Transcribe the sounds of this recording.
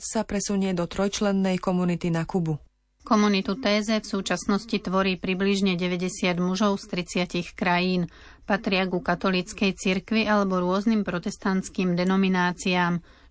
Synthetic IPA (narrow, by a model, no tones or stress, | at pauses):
sapɾɛsuɲɪɛd̪ɔt̪ɾɔjt͡ʃlɛnːɛjkɔmunit̪inakubu | kɔmunit̪ut̪ɛːzɛfsuːt͡ʃasnɔscit̪ʋɔɾiːpɾibliʒɲɛɟɛʋɛɟɛsɪad̪muʒɔʊst̪ɾit͡sɪacixkɾajiːn | pat̪ɾɪaɡukat̪ɔlit͡skɛjt͡siɾkʋiʔalɛbɔɾʊɔznimpɾɔt̪ɛst̪ant͡skiːmd̪ɛnɔminaːt͡siaːm